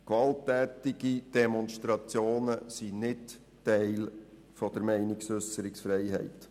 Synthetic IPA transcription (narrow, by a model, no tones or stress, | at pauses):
kʋɑltːɛːtɪɡ̥id̥ɛmɔnʃtɾɑt͡sjoːnəsinɪt | tɛɪl | fɔd̥̪əɾmɛɪnɪksʏsəɾɪksfɾɛɪɦɛ̰ɪt